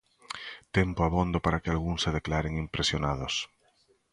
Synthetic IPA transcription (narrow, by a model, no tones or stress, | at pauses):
t̪empoaβ̞õnd̪opaɾakealɣunseðeklaɾeŋimpɾesjonað̞os